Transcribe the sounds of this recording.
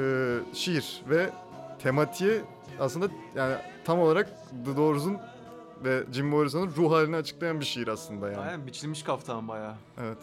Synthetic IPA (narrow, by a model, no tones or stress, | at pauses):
ɛːʃijiɾ̥vɛ | t̪ʰe̞mat̪ʰijɛ | aslˠɯnd̪ajaːnit̪ʰamo̞lˠaɾak̚ | d̪ɯd̪o̞ɾzun | vɛd͡ʒimboɾʲis̬onunɾuɦaːlʲiniat͡ʃʰɯ̥klˠajanbiʃijiɾaslˠɯnd̪aja̰ːnbit͡ʃʰilʲmiʃkʰaft̪ʰambajaː | evɛt̪